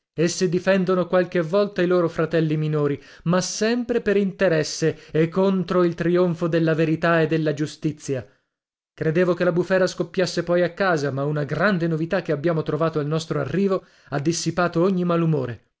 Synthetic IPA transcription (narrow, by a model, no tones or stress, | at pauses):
esːid̪ifɛnd̪onokwalkevɔlt̪ailoːɾofɾat̪ɛlːiminoːɾi | masːɛmpɾepeɾint̪eɾɛsːeekːont̪ɾoilt̪ɾioɱfod̪elːaveɾit̪aed̪ːelːad͡ʒust̪it̪sːja | kɾed̪eːvokelabufɛːɾaskopːjasːepɔjakːaːzamaunaɡɾand̪enovit̪ak̟ːeabːjaːmot̪ɾovaːt̪oalnɔst̪ɾoarːiːvo | ad̪ːisːipaːt̪ooɲːimalumoːɾe